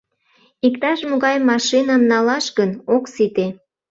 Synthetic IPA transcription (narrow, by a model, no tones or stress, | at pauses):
ikt̪ɑʃmoɣɑjmɑʃinɑmnɑlɑʃɣənoksit̪e